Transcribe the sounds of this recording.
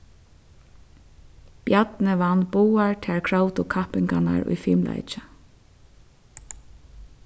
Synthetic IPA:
pjat̪nɪʋanːbuːaɹt̪ʰɛɹkʰɹawt̪ʊkʰahpɪŋkana̰ɹʊ̰jfiːmlʔa̰jt͡ʃɪ

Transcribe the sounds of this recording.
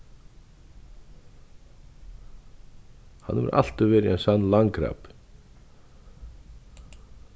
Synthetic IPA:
ha̰nːɛvɛ̰ɾʔa̰l̥t̪avvɛːɾɪɛnsanːlaŋkɾa̰ːp

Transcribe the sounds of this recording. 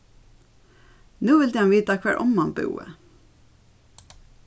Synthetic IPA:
nuːʋɪld̪iːɑmʋiːt̪ɑkʰʋæːɹʔɔ̰mmɑnbʉ̰ːə̰

